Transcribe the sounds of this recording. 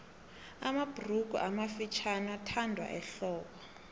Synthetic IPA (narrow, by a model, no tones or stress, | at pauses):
amab̥ʱruk̬ṵʔamafit͡ʃʰanatʰandʱwa̰ʔɛɬɔːkɔ